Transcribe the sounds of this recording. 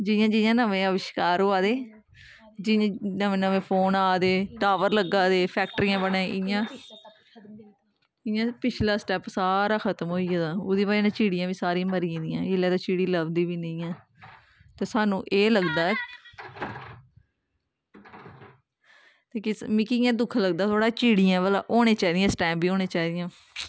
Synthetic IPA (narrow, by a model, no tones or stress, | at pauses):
d͡ʒɪjãːd͡ʒɪjãːnəʋẽːəʋɪʃkaːɾɦoːaːd̪eː | d͡ʒɪjãnəʋẽːnəʋẽːpʰoːnaːd̪eːʈaːʋəɾləɡãːd̪eːpʰɛːk̚ʈɾiːãːbəɳẽːʔɪjãː | ɪjãːpɪt͡ʃʰlaːsʈɛːpsaːɾaːkʰət̪mɦoːiːaːd̪aːʊd̪iːbaːeːnãːt͡ʃiːɽɪjãːʋiːsaːɾĩːməɾiĩːd̪ijãːeːlɛːt̪aːt͡ʃiːɽiːləbd̪iːʋiːnəĩːãː | t̪eːsaːnũːʔeːləɡd̪aː | t̪eːkɪmɪ̃ːkɪjãːd̪ʊkʰləɡ̚d̪aːt̪ʰoːɽaːt͡ʃiːɽijãːbəla̰ːʔoːneːt͡ʃaːiːd̪ɪjãːsʈɛ̃ːmbiːoːneːt͡ʃaːiːd̪ɪjãː